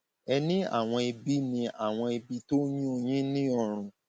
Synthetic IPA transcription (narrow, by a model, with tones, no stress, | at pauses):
ɛ˧nĩ˦a̰˦˨w̃ɔ̃˧i˧bi˦nĩ˧a˨w̃ɔ̃˧i˧bi˧to˦ɲĩ˦o˧j̃ĩ˦nĩ˦ɔ˧ɾ̃ũ˨